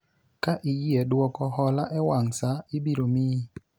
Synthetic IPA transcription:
kaʔijiɛdwɔkɔhɔlaʔɛwaŋsaibiɾomi

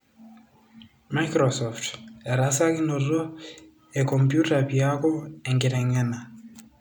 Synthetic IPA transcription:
majkɾɔsɔfteɾasaɣinoɾo | ekɔmpjutapiakɔeŋɡiɾɛŋɛna

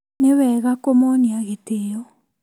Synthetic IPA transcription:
newɛːɣakomoniaɣetejɔ

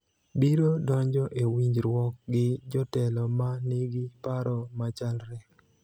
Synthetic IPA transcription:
biɾodɔɲd͡ʒɔʔewiɲd͡ʒɾwɔk̚ɡɪd͡ʒɔtɛlɔmaniɡɪpaɾɔmat͡ʃalɾɛ

